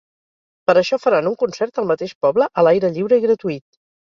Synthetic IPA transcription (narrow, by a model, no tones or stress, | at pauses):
pəɾəʃɔfəɾanuŋkunsɛɾt̪əlˠmət̪eʃpɔbləʔəlajɾəʎiwɾəiɣɾət̪uit̪̚